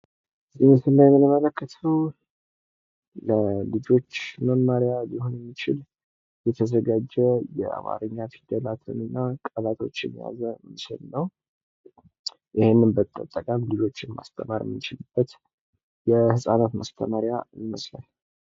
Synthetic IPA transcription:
zʼinɨsɨlːajɛmːɨnɨmələkʰːət̪ʰəw | ləlɨd͡ʒo̞t͡ʃːməmaɾjalihonjɛmːit͡ʃɪl | jɛt̪ʰəzəɡad͡ʒɛjɛ̰a̰ma̰ɾɨɲːat̪ʰid̪ːəlat̪ʰɨmɨnːakʼəlat̪ʰo̞̰t͡ʃːɛmːija̰zəmɨʃəlnəw | ʔɪhenːɨnbət̪ʼə̰t̪ʼːəkʼamlɨd͡ʒo̞t͡ʃːɪnma̰st̪ʰəmaɾjɛ̰mːit͡ʃɪlɨb̥ːət̪ | jɛhɨsʼanat̪mast̪ʰə̰maɾjaməsla̰n

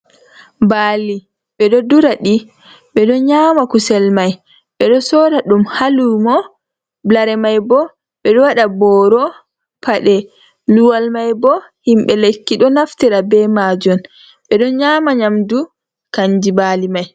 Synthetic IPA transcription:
baːli | ɓɛɗɔduɾaɗi | ɓɛɗɔɲaːmakusɛlmaj | ɓɛɗɔsɔːɾaɗumhalumɔ | blaɾɛmajbɔ | ɓɛɗɔwaɗabɔɾɔ | pʰaɗɛ | luwalmajbɔ | himɓɛlekːiɗɔnaftiɾabɛmad͡ʒɔn | ɓɛɗɔɲaːmaɲamdu | kaɲd͡ʒibaːlimaj

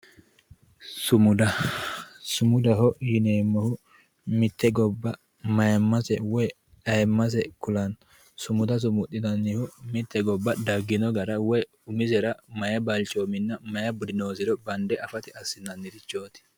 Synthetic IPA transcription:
sʊmʊd̪ɐ | sʊmʊd̪ɐhɔjɪneːmːɐhʊ | mɪt̪ːɛɡɔbːɐ | mɐjɐmːɐsɛwɔj | ɐjmːɐs̬ɛkʊlɐn | sʊmʊd̪ɐs̬ʊmʊt̪ʼːɪnɐnːɪhʊmɪt̪ːɛɡɔbːɐd̪ɐɡːɪnɔɡɐɾɐwɔj | ʊmɪzɛɾɐmɐjɐbalt͡ʃoːmɪnːɐmɐjɐbʊd̪ɪnoːzɪɾɔbɐnd̪ɛɐfɐt̪ɪɐsːɪnːɐnːɪɾɪt͡ʃːoːt̪ɪ̥

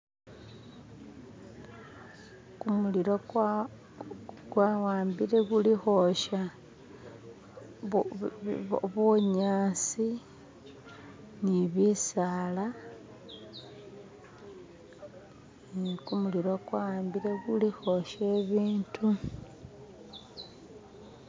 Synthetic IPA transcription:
kumuliɾo | ɡ̥wawaːmbiɾe̞ɡulixo̞ʃa | βoɲaːsi | niβisaːla | kumuliɾoɡwawaːmbiɾe̞ɡulixo̞ʃe̞ːβiːntʰu

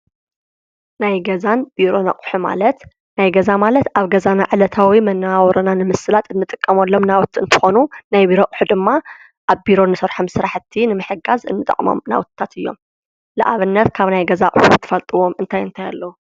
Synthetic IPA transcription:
najɡɐzanb̥iɾo̞nɐqʼħuma̰lɐt̪ | najɡɐzamalɐt̪ʔaβɡɐzanaʕɨlɐt̪ʰawimɐnːɨawɔɾɐnanɨmɨsɨlat̪ʰɨnːɨt̪ʼɨkʼːɐmɐlːo̞mnawt̪ʰɨnt̪ʰɨ̥xo̞nunajbiɾo̞qʼħud̪ɨmːa | ʔaβbiɾo̞nɨsɐɾħomsɨɾaħt̪ʰːinɨmɨħɨɡazɨ̰nːɨt̪ʼɐ̰qʼmo̰mna̰wt̪t̪ʰːat̪ʰɨjːo̞̰m | lɨʔaβɨnːɐt̪kʰaβnajɡɐzakʼħut̪ʰːɨfɐlt̪ʼɨwo̞mɨnt̪ʰajɨnt̪ʰaja̰lːɐwu

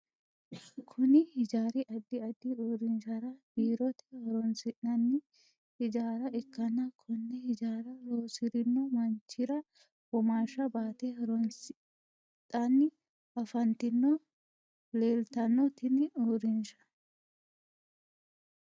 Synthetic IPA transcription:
kʰʊnɪhɪd͡ʒaːɾɪʔɐd̪ːɪɐd̪ːɪoːɾɪnʃɐɾɐb̥iːɾɔt̪ɛ̥hɐɾɔnsɪᶑɐnːɪ | hɪd͡ʒaːɾɐɛkːɐnːɐkʰʊnːɛhɪd͡ʒaːɾɐɾoːsɪɾɪnːɔmɐnt͡ʃːɪɾɐ | b̥ɔmaːʃɐbaːt̪ɛhɐɾɔnsɪ | tʼːɐnːɪ | ɐfɐnt̪ɪnːɔ | leːlt̪ɐnːɔt̪ɪnɪoːɾɪnʃɐ̥

